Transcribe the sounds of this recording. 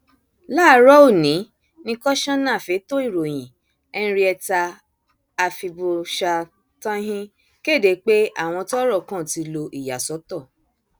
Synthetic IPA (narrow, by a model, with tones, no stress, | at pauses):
laː˦˨˦ɾɔ˦u˦˨nĩ˨˦ | nĩ˧kɔ˦ʃã˦nã˦˨fe˨˦to˦i˦˨ɾo˨j̃ĩ˨ | ɛ̃˧˦˧ɾi˦ɛ˧taː˧ | fi˧bo˧ʃa˧ | tã˦ɦĩ˦ | ke˦˨de˨˦k͡pe˦a˦˨w̃ɔ̃˧tɔ˦ɾɔ˦˨kã˦˨ti˧lo˧ʔi˨ja˨sɔ˨˦tɔ˦˨